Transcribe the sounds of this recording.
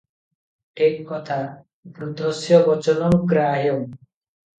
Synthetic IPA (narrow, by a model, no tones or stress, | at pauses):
ʈʰikːɔt̪ʰa | bɾud̪ɔsjɔbɔt͡ʃɔnɔŋkɾaɦjɔŋ